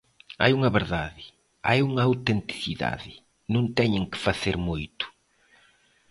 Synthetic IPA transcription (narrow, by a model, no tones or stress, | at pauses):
a̰juŋɐβeɾðaðɪ | ajuŋɐawt̪ent̪i̥θiða̰ðɪ | nõnt̪ɛɲẽŋkɪ̥faθeɾmujt̪ʊ̥